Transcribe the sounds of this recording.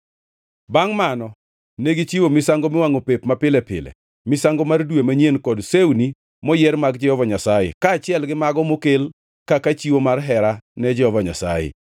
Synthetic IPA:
baŋmanɔ | neɡit͡ʃiwomɪsaŋɡomɪwaŋopepmapɪlɛpɪ̰lɛ̰ | mɪsaŋɡomardwemaɲjenkɔdsewni | mɔjɛɾmaɡd͡ʒɛhɔvaɲasajḛkaːt͡ʃɪɛlɡɪmaɡɔmokel | kakat͡ʃiwomarɦɛɾanɛd͡ʒɛhɔvaɲa̰sa̰jḛ

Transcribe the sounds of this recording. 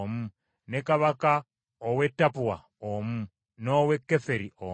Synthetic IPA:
mu | nekaβaka | owetːapuwa | omu | nowekːefeɾiʔo

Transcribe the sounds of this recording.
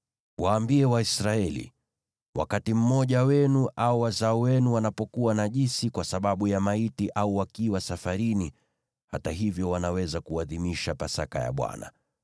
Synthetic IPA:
waːmbiɛwaisɾaɛlḭ | wa̰katim̩mɔʄawɛnuʔaɔwazaɔwɛnuwanapɔkuwanaʄisikwasaɓaɓujamaitiʔauwakiwasafaɾini | hataɦivjɔwanawɛzakuaðimiʃapasaka̰ja̰ɓwa̰na̰

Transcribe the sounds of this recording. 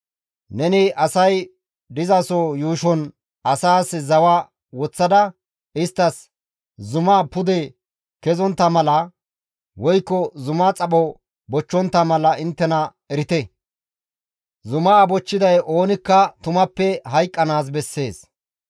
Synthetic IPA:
nɛnɪʔɐsɐj | d̪ɪzɐsɔjuːʃɔn | ɐsaːszɐwaː | wɔt͡sːɐd̪ɐ | ɪst̪ːɐs | zʊmaːpʊd̪ɛ | kɛzɔnt̪ːɐmɐlɐ | wɔjkːɔzʊmaːt͡sʼɐɓɔ | bɔt͡ʃːɔnt̪ːɐmɐlɐʔɪnt̪ːɛnɐ | ɛɾɪt̪ɛ | zʊmaːbɔt͡ʃːɪd̪ɐjʔo̞ːnɪkːɐt̪ʊmɐpːɛɦɐjkʼːɐnaːs̬bɛsːe̞̰ːs

